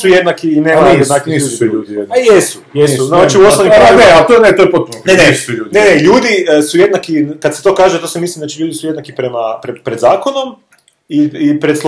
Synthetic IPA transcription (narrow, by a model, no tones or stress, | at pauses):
sujed̪nakiːnemajed̪nakiiuːiuʎuːd̪ijeajesu̥jeinat͡ʃiuosnoʋniɾaeat̪onet̪ojepot̪unneneissuʎuːd̪ineneʎuːd̪isuje̞d̪nakinkad̪set̪o̞ːkaːʒet̪oːsemislimd̪at͡ʃiʎuːd̪isuje̞d̪nakipɾemapɾepɾed̪zaːkono̞m | iipɾed̪s